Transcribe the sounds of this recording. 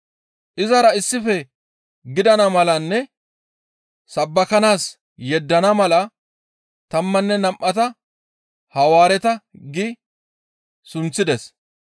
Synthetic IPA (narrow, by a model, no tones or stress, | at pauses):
ʔɪzɐɾɐɪsːɪfɛ | ɡɪd̪ɐnɐmɐlɐnːɛ | sɐbːɐkɐnaːs | jɛd̪ːɐnɐmɐlɐ | t̪ɐmːɐnːɛnɐmʔɐt̪ɐ | hɐwaːɾɛt̪ɐɡɪ | sʊnt͡sːɪd̪ɛs